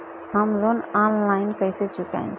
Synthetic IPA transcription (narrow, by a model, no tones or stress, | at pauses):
ɦəmlonanlaɪnkəjset͡ʃuka̰ɪn